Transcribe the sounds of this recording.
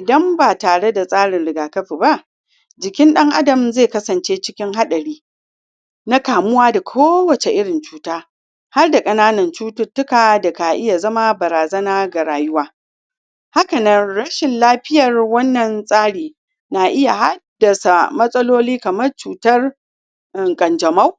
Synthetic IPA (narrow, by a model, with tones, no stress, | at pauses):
ʔɪ˨dɐ˦mbaː˨taː˨ɽe˦da˨sʼaː˦ɽɪ˨nɽɪ˨˦ɡaː˨kɐ˦ɸiː˨ba˦ʔ | d͡ʒɪ˨kʲɪ˦nɗɐ˦ŋʔa˦dɐ˨mzeː˦˨kɐ˦sɐ˨nt͡ʃeː˦t͡ʃɪ˦kʲɪ˦ŋɦa˦ɗɐ˨ɽiː˦ | na˦kaː˨mʊ˦waː˦da˨kʷʰoː˦wɐ˨t͡ʃe˨ʔɪ˦ɽɪ˨nt͡ʃuː˦taː˦ | ha˦rda˨kʼɐ˦naː˦nɐ˨nt͡ʃuː˦tʊ˦tːʊ˦kaː˨dɐ˨ka˨ʔɪ˦ja˨zɐ˦ma˦bɐ˨ɾaː˨zɐ˦naː˦ɡa˨ɾaː˨jʊ˦waː˦ | ha˦kɐ˨nɐ˦nɽɐ˦ʃɪ˨nlaː˦ɸɪ˦jɐ˨rwɐ˦nːɐ˨nsʼaː˦ɽiː˨ | na˨ʔɪ˦ja˨ɦa˦dːɐ˨sa˨mɐ˦sʼɐ˦loː˦liː˦kɐ˨mɐ˦rt͡ʃuː˨tɐ˦r | ʔɪ˨ŋkʼɐ˨nd͡ʒɐ˨ma˦w